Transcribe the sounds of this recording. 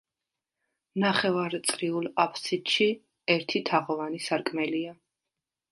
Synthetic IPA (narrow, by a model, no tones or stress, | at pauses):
naχɛvaɾt̪sʼɾiulˠqʼapʰsit̪ʃi | ɛɾt̪ʰit̪ʰaʁɔvanisaɾkʼmɛlia